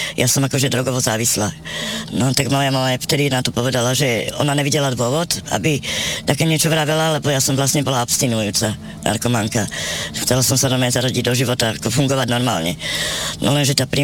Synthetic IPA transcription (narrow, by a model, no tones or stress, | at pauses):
jʔasɔmakɔʒɛd̪ɾɔɡɔʋɔzaːʋislanɔt̪aɡmaljamamaft̪ɛd̪inat̪ɔpɔʋɛd̪alaʒɛɔ̰naɲɛʋiɟɛlad̪ʋʊɔʋɔt̪a̰bit̪akɛːɲɪɛt͡ʃɔʋɾaʋɛlalɛbɔjasɔmvlasɲɛbɔlaɔpst̪inujuːt͡sa | nʔa̰ɾkɔmaŋkaxt͡sɛlasɔmsanɔmaɲɛzaɾɔɟiɟ̚d̪ɔʒiʋɔt̪aakɔfuŋɡɔʋaɟnɔɾma̰ːlɲɛ̰nʔɔ̰lɛnʒɛt̪aːpɾi